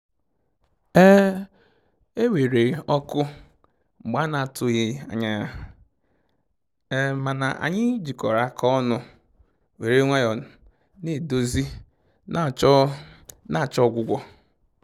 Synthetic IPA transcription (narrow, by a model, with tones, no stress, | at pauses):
e˦ | e˦we˨ɾe˨ɔ˦kʊ˦ | ŋ͡m̩˨ɡ͡ba˦na˨tʊ˨ɣɪ˦a̰˨ɲa˦ | e˦ma˨na̰˨ʔa̰˨ɲɪ˦d͡ʒi˨kɔ˨ɾa˦kʰɔ˦nʊ˦ | we˨ɾe˦ŋʷe˦jɔ˨ | ne˨do˦zi˦ | n˦˨˦ | na˦˨t͡ʃɔ˦˨ɡʷʊ˨ɡʷɔ˦